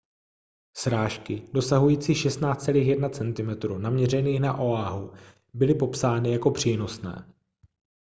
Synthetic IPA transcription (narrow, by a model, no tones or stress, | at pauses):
sɾaːʃkɪdo̞saɦujiːt͡siːxʃɛst̪naːt͡st͡sɛliːxjɛdnat͡sɛnt̪ɪmɛt̪ɾuːnamɲɛrɛniːxnaʔo̞aɦu | bɪlɪpo̞psaːnɪjako̞pr̝̥iːno̞snɛ̰ː